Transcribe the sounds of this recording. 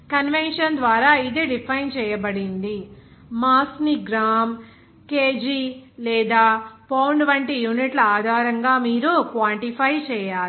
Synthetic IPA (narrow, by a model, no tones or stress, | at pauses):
kɐnʋenʂɐnd̪ʋaːɾaːid̪e̞ːɖipʰɐjnt͡ʃɛːjɐbɐɽind̪i | maːsniɡɾaːm | keːd͡ʒilɛːd̪aːpɐːwɳɖʋɐɳʈijuːniʈlɐaːd̪ʱaːɾɐŋɡaːmiːɾukʋaːɳʈipʰɐjt͡ʃɛːjaːlu